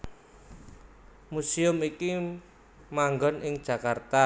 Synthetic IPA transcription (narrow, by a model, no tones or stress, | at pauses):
musiʊmiki | maŋɡɔnɪŋd̥ʒ̥a̤kart̪a